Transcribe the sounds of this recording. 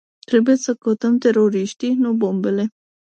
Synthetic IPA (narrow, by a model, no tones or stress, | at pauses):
t̪ɾebujesəkot̪əmt̪eɾoɾiʃt̪inobombele